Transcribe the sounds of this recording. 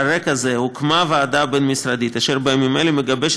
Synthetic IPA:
ɾekazehukmavead̪abenmisɾad̪it̪aʃeɾbemimelimeɡabeʃ

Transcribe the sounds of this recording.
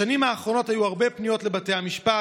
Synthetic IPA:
animaːχʁo̞no̞thajuhaʁbe̞pnijo̞tle̞bate̞jhamiʃpa

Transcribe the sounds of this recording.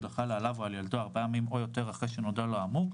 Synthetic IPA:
daχalealavoaljald̪oaʁbejamimojo̞t̪e̞ʁaχʁeʃenodaloamuʁ

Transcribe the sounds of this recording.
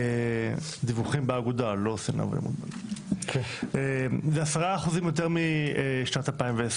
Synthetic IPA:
d̪ivuχimbeaɡud̪alosinʔa̰v̰lḛmṵd̪ba̰lkezeasaʁaːχuzimjot̪̬eʁmiʃnat̪alpaimvees

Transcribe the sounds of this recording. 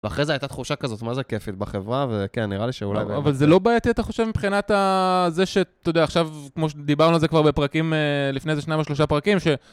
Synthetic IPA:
veaχʁezeajt̪at̪χuʃakazo̞t̪mazekefit̪̚baχevʁavekenːiʁaliʃeṵla̰javalzelo̞baːjat̪iat̪aχo̞ʃe̞vmipχinat̪azeʃe̞t̪ood̪eaːχʃavkmo̞ʃ̬ed̪ibaʁnualzekvaʁbe̞pʁakimelifne̞zeʃnajmoʃloʃ̬apʁakimʃe̞

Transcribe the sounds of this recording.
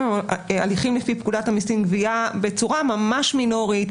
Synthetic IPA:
a̰liχimlefipkudat̪amisinɡviabe̞t͡suʁamamaʃmino̞ʁit̪

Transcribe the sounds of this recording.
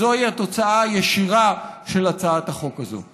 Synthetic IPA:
oaijat̪o̞t͡saajeʃiʁaʃe̞lat͡saathaχo̞kazo̰

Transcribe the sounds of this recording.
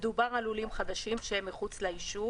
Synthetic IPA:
d̪ubaʁalulimχad̪aʃimʃeemːiχut͡slaiʃu

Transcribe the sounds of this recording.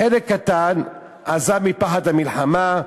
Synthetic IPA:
elekkːat̪an | azamipaħat̪amilħama

